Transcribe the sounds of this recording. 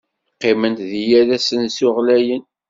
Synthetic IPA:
qːɪmənt̪ðijæðæsənsʊʁlæjən

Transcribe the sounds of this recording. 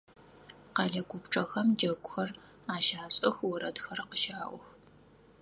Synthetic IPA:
qɑːɮɐɡʷʊpʈ͡ʂʼɐxɐmd͡ʒɐɡʷʼʊxɐr | aːʃaːɕʼɐxwɔɾɐdxɐɾɐqəʃaːʔʷʊx

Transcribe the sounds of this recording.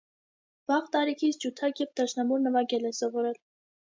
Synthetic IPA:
vɑʁt̪ɑɾikʰit͡sʰd͡ʒut̪ʰɑkjɛvd̪ʰɑʃnɑmɔɾnəvɑɡɛlɛsɔvɔɾɛl

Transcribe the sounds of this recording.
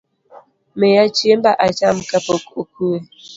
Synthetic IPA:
mejat͡ʃiem̩baʔat͡ʃam̩kapokokʰuwe

